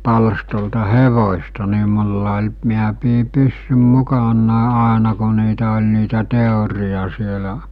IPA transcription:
pɑlstoltɑ heʋosʲtɑ ni mulːɑ olʲ miæ piː pysːym mukɑnːɑˑe ɑˑenɑ ko niːtæ olʲ niːtæ teˑorij̆ɑ sielæ

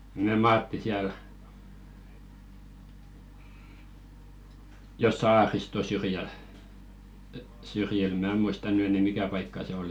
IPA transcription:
me mɑːtːi siæl jo sɑːristo syrjæl syrjil mæː muistɑ ny enɛ mikæ pɑikːɑ se oli

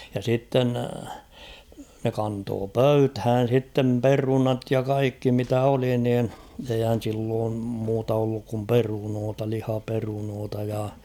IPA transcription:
jɑ sitːen ne kɑntoː pøythæːn̞ sitːem perunɑt jɑ kɑikːi mitæ oli niːn eihæn̞ silːoːm muːtɑ olːuk kum perunoːtɑ lihɑperunoːtɑ jɑ

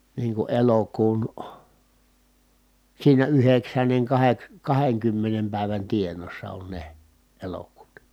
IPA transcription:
niːŋ ku elokuːn siːnæ yheksænːeŋ kɑheks kɑheŋkymːenem pæˑi̯ʋæn tienˑoːsːɑ on ne elokuːtɑ

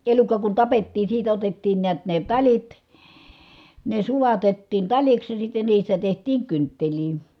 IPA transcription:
elukːɑ kun tɑpetːiːn̞ siːtæ otetːiːn niæt ne tɑlʲit ne sulɑtetːiːn tɑlʲiks jɑ sitːe niːstæ tehtiːŋ kyntːeliː

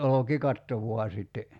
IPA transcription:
ʔolokikɑtːo ʋuɑ sitːe

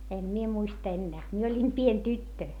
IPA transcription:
em mie muistɑ̆ enːæː mie olʲim pien tytːø

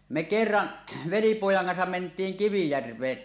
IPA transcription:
me ʔkerːɑʔ ʋelipoˑjɑŋ kɑnsɑm mentˑiːŋ kiʋijærʋeːn

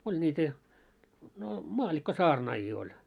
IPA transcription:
olʲ nʲiːtæ no mɑːlːikːosɑːrnɑːjiː olʲ

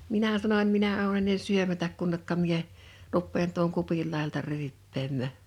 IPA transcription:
minæ sɑnonʲ minæ ou̞ enːen syømætæk kunːekːɑ mie rupːeːn tuoŋ kupil lɑˑijɑltɑ ryːpːeːmːæˑ

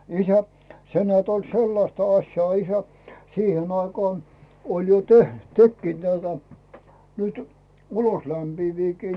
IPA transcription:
isæ se nĕæːt olʲ selːɑstɑ ɑsʲjɑː isæ siːhen ɑikɑːn olʲ jo teh tekːiːt næitæ nytẙ uloslæmpiːʋiːkiː

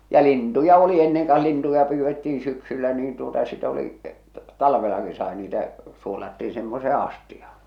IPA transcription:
jɑ lintujɑ oli enːeŋ kɑh̞ lintujɑ pyːʋːetːiːĩ syksylːæ niːn tuotɑ sit oli tɑlʋelɑki sɑi niːtæ suolɑtːiː semːoseː ɑstiɑ̥h̞ɑ̥

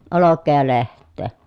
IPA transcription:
olokːeː jɑ lehtˑeː

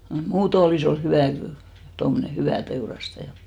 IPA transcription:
noi muːto oliˑs ol hyʋæˑ kyl tomːŏne hyʋæˑ teurɑstɑjɑ

